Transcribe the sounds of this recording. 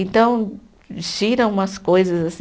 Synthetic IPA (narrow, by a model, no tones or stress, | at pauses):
ẽnt̪ɐ̃w̃ | ʃiɾɐ̃ũmɐskojzɐzasi